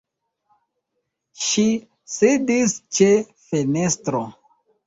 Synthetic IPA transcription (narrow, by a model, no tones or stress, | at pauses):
ʃi | sidist͡ʃe̞ | fe̞ne̞stɾo